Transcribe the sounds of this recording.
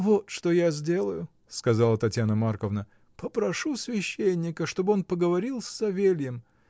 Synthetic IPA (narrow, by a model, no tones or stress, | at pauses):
vot̪ʂt̪o̞jazʲdʲe̞lˠəjʊ | skɐzalˠət̪ɐtʲjanəmarkəvnə | pəpɾɐʂusvʲɪɕːenʲːɪkəʂt̪o̞bɨo̞npəɡəvɐɾʲilˠsʲːɐvʲelʲjɪm